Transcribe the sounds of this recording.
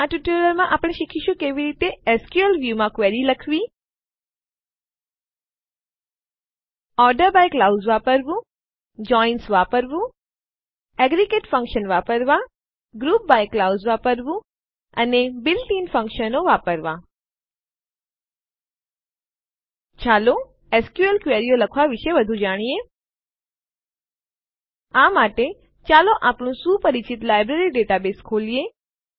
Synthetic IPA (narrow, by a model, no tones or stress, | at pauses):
ãʈjuʈəɾəlmãʔapɽ̃eʃikʰiʃũkeʋiɾit̪eeskjuəlʋjumãkʋeɽiləkʰʋi | ɔɾɖəɾbajklawzʋapəɾʋũ | d͡ʒɔinsʋapəɾʋũ | ɛɡɾikeʈfə̃ŋkʃənʋapəɾʋã | ɡɾuːp̚bajklawzʋapəɾʋũ | ɐnebɪlʈiːnfɐ̃ŋkʃənoʋaːpəɾʋa | t͡ɕʰaːlo | eːskjuəlkʋeːɾijolɐkʰʋaʋɪʃeʋɐd̪ʱud͡ʑaːɽ̃ie | ãːmaːʈe | t͡ɕaːloʔaːpɽ̃ũsuːpɐɾɪt͡ɕɪt̪laːɪbɾeːɾiɖeːʈabeːskʰoːlie